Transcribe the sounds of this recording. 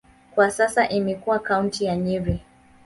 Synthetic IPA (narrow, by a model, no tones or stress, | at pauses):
kwasasaʔimɛkuwakauntijaɲiɾi